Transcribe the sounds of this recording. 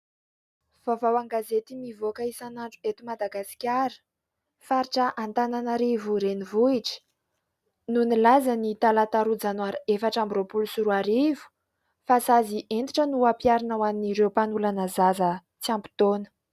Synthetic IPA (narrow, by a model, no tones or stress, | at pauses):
v̥avawaŋɡazet̪imivokəisanaɳɖ͡ʐu̥et̪umad̪aɡasi̥kʲaɾə̥ | faɾiʈ͡ʂəʔant̪ananaɾivuɾenivuiʈ͡ʂə̥ | nunilazanit̪alat̪aɾud͡zanwaɾefaʈ͡ʂambiɾopulusuɾuaɾivu̥ | fasaziʔent̪iʈ͡ʂənuapjaɾinawaniniɾewpanulanəzazə | t͡siampi̥t̪onə̥